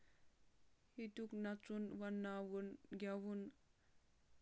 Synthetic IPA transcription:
hituk̚nat͡sunwɐnːawunɡʲjawun

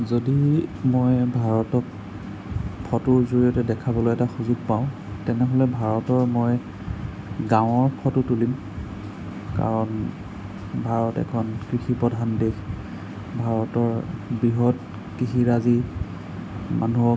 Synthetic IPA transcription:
zodimojbʱaɹɔtɔk̚ | pʰɔtʊɹzuɹijɔtɛdɛkʰabɔlojɛtaxuzuɡ̚paʊ̃ | tɛnɛɦolɛbʱaɹɔtɔɹmoj | ɡãw̃ɔɹpʰɔtutulim | ka̰ɹɔn | bʱaɹɔtɛ̰kʰɔnkɹixipɔdʱandek | bʱaɹɔtɔɹbɹiɦɔd | kixiɹazi | ma̰nuɔ

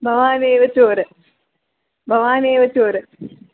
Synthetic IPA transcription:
bʱɐʋaːneːʋɐt͡ɕoːɾɨ | bʱɐʋaːneːʋɐt͡ɕːoːɾɨ

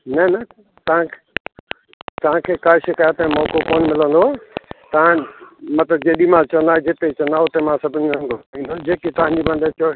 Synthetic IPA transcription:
nɐnɐ | t̪ɐãkʰ | t̪ɐʋãkʰeːkaːʃɪkaːjət̪ɛ̃mɔːkokoːnmɪlə̃nd̪ot̪ɐãmɐt̪ləbd͡ʑeːɗimãt͡ɕɐʋə̃nd̪aːɦed͡ʑɪt̪et͡ɕɐənd̪aʊt̪emãsɐbʱɪniə̃nd̪oĩːnd̪od͡ʑeːkit̪ɐʋ̤ãɲd͡ʑibɐ̃nd̪et͡ɕo

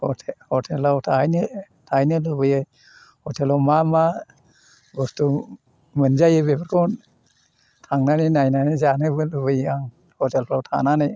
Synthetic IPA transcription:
hɔtʰhɔtʰelawtʰajnɯ | tʰajnɯlɯbɯjɯ | hɔtʰelɔmama | bɔstu | mɯnzajɯbebɯɾkʰɔn | tʰaŋnaninajnanizanɯbɯlɯbɯjaŋ | hɔtʰelpʰɾawtʰa̰nanɯj

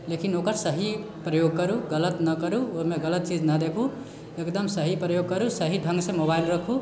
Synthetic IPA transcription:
lekinokəɾsəɦi | pɾəjoɡ̚kəɾuɡələt̪nəkəɾuomẽɡələt̪̚t͡ʃid͡ʒnəd̪ekʰũ | ekd̪əmsəɦipɾəjoɡ̚kəɾusəɦiɖʱə̃ŋɡsẽmobailɾəkʰũ

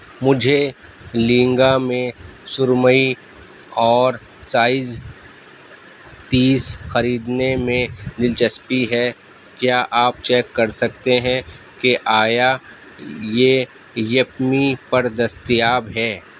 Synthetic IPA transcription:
mʊd͡ʒʱe | lĩːŋɡamẽsʊɾməi | ɔːɾ | saːɪd͡ʒ | t̪iːsxɐɾiːd̪nemẽd̪ɪlt͡ʃəspiɦɛː | kjaːʔaːp̚t͡ʃɛːkːɐɾsɐkt̪eɦɛ̃ | keʔaːja | je | jɐpmipɐɾd̪ɐst̪ɪjaːbɦɛː

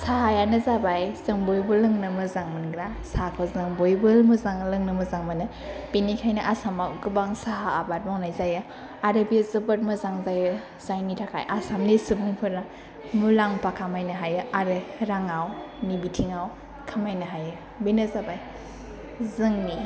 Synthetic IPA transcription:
saɦajanɯzabajz̥ɯŋbojbɯlːɯŋnɯmɯzaŋmɯnɡɾasakʰɯzɯŋbojbɯlmɯzaŋlɯŋnɯmɯzaŋmɯnɯ | b̥enikʰajnɯʔasamawɡɯbaŋsaɦaːbat̚mawnajzajɯ | aɾɐbizɯbət̚mɯzaŋzajɯ | z̥ajnitʰakʰa̰jʔasamnisɯbuŋpʰɯɾa | mulaŋpakʰamajnaɦajɯʔaɾɯɾaŋawnibitʰiŋaw | kʰamajnaɦajɯ | binɯzabaj | zɯŋni

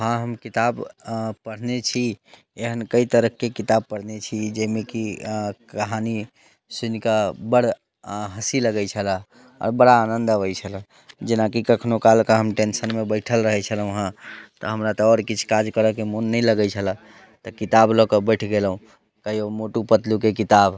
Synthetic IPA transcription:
ɦãɦəmkit̪abpəɽ̤net͡ʃʰi | eɦənkəit̪əɾəkkːekit̪ab̚pəɽ̤net͡ʃʰid͡ʒəɦmekikəɦani | sunkabəɽ̤ | ɦəsiləɡəjt͡ʃʰələ | ɔ̰ɾbəɽaːnənd̪əbəjt͡ʃʰələ̃ | d͡ʒenakikəkʰnokalkaɦəmʈensənmebəɪʈʰəlɾəɦɛt͡ʃʰəlɦũɦãt̪ɔɦəmɾat̪ɔɔɾkit͡ʃʰkad͡ʒkəɾəkemunːəiləɡəɛt͡ʃʰələ | t̪ɔkit̪ablɔkəbəɪʈʰɡelɦũ | kɦiomoʈupət̪lukekit̪ab

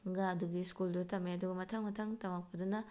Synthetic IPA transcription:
ɡaduɡiskuldutɐmeɐduɡɐmɐtʰaŋmɐtʰɐŋtɐmak̚pʰɐdunɐ

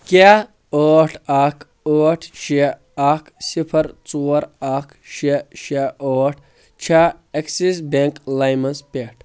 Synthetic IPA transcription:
ka | oːʈʰakʰ | oːʈʰʃi | akʰsipʰɐɾt͡suːɾakʰʃeʃaʔoːʈʰ | t͡ʃʰaeksisbeŋklajmɐspʲeʈʰ

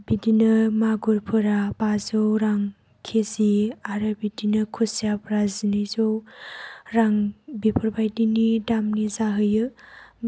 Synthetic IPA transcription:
bidinɯmaɡuɾpʰɯɾabazɯwɾaŋ | kʰeziaɾɯbidinɯkʰusijapɾazinɯjzow | ɾaŋbipʰɯɾbajdinidamnizaɦɯjɯ

